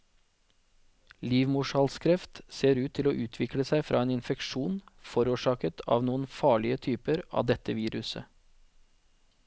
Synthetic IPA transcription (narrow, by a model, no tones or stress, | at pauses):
liːʋmʊʃɑːlskʰɾɛft̪seːɾʉːt̪ʰːɪloːʔʉːt̪ʰʋɪkləsæɪfɾʔɑ̰ːeːnɪnfɛkʃuːnfɔɾuːʃɑːkət̪ʰɑ̰ːʋnuːənfɑːɭɪət̪ʰyːpəɾʔɑ̰ːd̪ɛt̪əʋiːɾʉsə̰